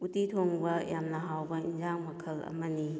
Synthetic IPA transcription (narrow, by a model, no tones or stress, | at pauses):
utitʰoŋbɐjamnɐɦawbɐinzaŋmɐkʰɐlɐ̰mɐni